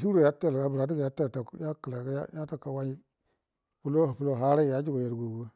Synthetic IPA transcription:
su˦ɾo˦˨ja˦te˦˨lɡa˨bɾa˨˦di˦ɡa˨ja˦te˦˨lta˨ja˦kə˨la˨kja̰˦ja˦ta˦˨kːa˨wa˦ɲi˦ | pu˦lo˦˨pu˦lo˦ɦa˦ɾa˦˨ja˦d͡ʒi˦ɡo˨je˨ɾɡo˨wo˦

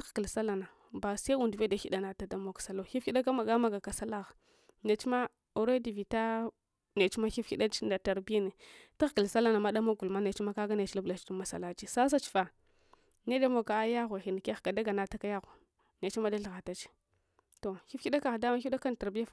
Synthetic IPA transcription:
txki˨lsa˦la˨na˨ | ba˨sa˦u˨ndve˦da˨xi˦da˨na˨ta˨da˦mo˨kḁ˨sa˨lo˦˨xi˦fi˦ɗa˦ka˦ma˨ɡa˦ma˦ɡa˨ka˨sa˦la˦ɣa˨ | ne˨t͡ʃma˦ | o˨ɾe˦di˨vi˨ta˦ | ne˨t͡ʃma˦xi˦fi˦ɗa˦t͡ʃi˦nda˨ta˨ɾbi˦a˦ne˨ta˦xkə˨lsa˦la˦na˨ma˦ɗa˦ma˦ɡu˨lma˦ne˨t͡ʃma˦ka˦ɡa˦ne˨t͡ʃla˦bla˨t͡ʃi˦du˦ma˨sa̰˨la˦t͡ʃi˨sa˦s̬a˦t͡ʃi̥˨fa˨ | ne˦da˦mo˨ka˨a˦ja˦ɣo˨xi˨n˨kɡa˨da˦ɡa˨na˨˦ta˦ka˦ja˦ɣo˨ | ne˨t͡ʃi˦ma˦da˦ɬɣa˨ta˦t͡ʃi̥˦ | to˨xi˦fi˦ɗa˦ka˨ɣda˦ma˦i˦da˦ka˦n˨ta˨ɾbi˦ja˦f

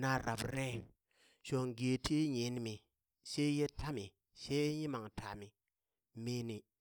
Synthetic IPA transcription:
na˦ɾa̰˨bɾe˦ | ʃo˨ŋɡe˨tʰi˦ɲi˨˦n˦mi˨ | se˦je˦tʰa˦mi˨ | se˦ɲi˦ma˨ŋtʰa˨mi˨ | me˦ni˨

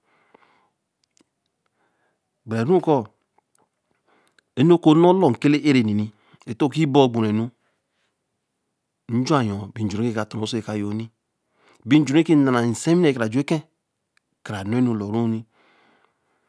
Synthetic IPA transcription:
ɡ͡bɾe˨nu˦kɔ˦ | e˦n˦o˦ko˦no˦lo˨ŋ̩˨ke˦le˦ʔe˦ɾe˨ni˨ni˨ | e˨to˦˨ki˦bo˦˨ɡ͡bo˨ɾe˨nu˦ | n̩˦d͡ʒu˦a˦˨jɔ̃˨bi˨n˨d͡ʒɾe˦e˦ka˨to˨no˨˦so˦e˨ka˨jo˨˦ni˦ | bi˦n˦d͡ʒu˨ɾe˦ki˦na˨na˨n̩˨se˦mi˦e˦˨kɾa˨d͡ʒu˨˦e˦kẽ˦ | kɾa˨n˨˦e˦nu˨lo˨ɾu˦ni˦

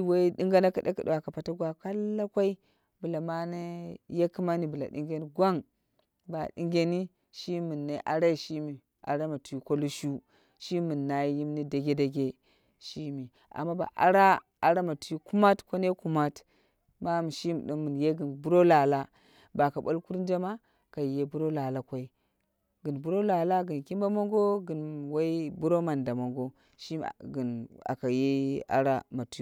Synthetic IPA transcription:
wa˦i˦ɗi˦ŋɡa˦na˦ka˨ɗe˦ki˨ɗi˨wa˨ka˨pa˨ta˦ɡwa˦ka˦la˦kʷa˦i˦ | bu˨la˨ma˦na˦je˦ki˦ma˦ni˨bu˨la̰˨ɗi˦ŋɡe˦ni˦ɡʷa˦ŋ | ba̰˨dḭ˦ŋɡʲe˦ni˦ | ʃi˦mu˨nːa˨˦ʔa̰˨ɾa˦i˨ʃi˦mi˨ | a̰˨ɾa˦ma˨tu˨ji˦kʷo˦lu˦ʃu˦ | ʃi˦mu˨nːa˨i˦ji˦mni˦da˨ɡʲe˦da˨ɡe˦ | ʃi˦mi˨ | a̰˨mːa˦ba̰˨ʔa̰˦ɾa˦ | a˨ɾa˦ma˨tu˨˦u˦ku˦ma˦tkʷo˦ne˦ku˦ma˦t | ma˦m˨ʃi˦m˨ɗiː˦ɨ˨nje˦ɡɨ˨nbu˦ɾo˦la˨la˦ | ba˨ka˨ɓo˦lku˦ɾn˦d͡ʒa˦ma˦ | ka˨i˨je˦bu˦ɾo˦la˨la˨kʷa˦i˦ | ɡɨ˨nbu˦ɾo˦la˨la˦ɡɨ˨nki˦mba˦mo˦ŋɡo˦ɡɨ˨nwa˦i˦bu˦ɾo˦ma˨nda˨mo˨ŋɡo˦ | ʃi˦˨ɡi˨na̰˨ka˨je˦a̰˦ɾa˦ma˨tu˨˦

